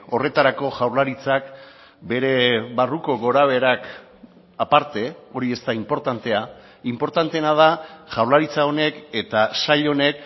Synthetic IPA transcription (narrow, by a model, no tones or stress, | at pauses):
o̞re̞t̪aɾako̞ʝawɾlaɾit͡sak | be̞ɾe̞βaruko̞ɣo̞ɾaβ̞e̞ɾak | apaɾt̪e̞o̞ɾie̞st̪aimpo̞ɾt̪ant̪e̞a | impo̞ɾt̪ant̪e̞nað̞aʝawɾlaɾit͡sao̞ne̞ke̞t̪asaʎo̞ne̞k